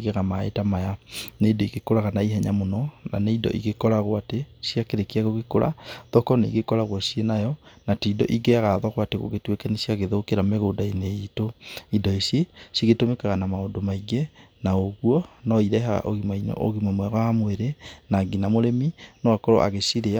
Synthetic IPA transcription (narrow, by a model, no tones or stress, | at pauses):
ɣeɣamaḛtamajaneidɔiɣekoɾaɣanaiɦɛɲamonɔna̰neidɔ̰ʔiɣekɔɾaɣwatesiakeɾekiaɣoɣekoɾʔa̰ðɔkɔnaḭɣekɔɾaɣwasienajɔnateidɔ̰ʔiɡeaɣaðɔɣwateɣo̰ɣetwekɛnesiaɣeðokeɾameɣodaineitoidɔisjesiɣetomekaɣanamaondomaiɡenaoɣuɔnɔiɾɛɦaɣa̰ʔo̰ɣimainɔ̰o̰ɣimwamwɛɣwamweɾenaɡinamoɾeminɔakɔɾɔ̰ʔa̰ɣesiɾea